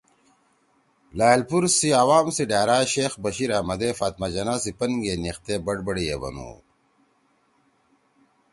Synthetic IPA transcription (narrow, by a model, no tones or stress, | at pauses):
laːjlpuɾsiawaːmsiɖaːɾaːɕeːxbɐɕiɾaːmɐd̪efaːt̪mɐd͡ʑɐnaːsipɐnɡeːnixt̪eːbɐɖbɐɽijḛbɐ̰nṵː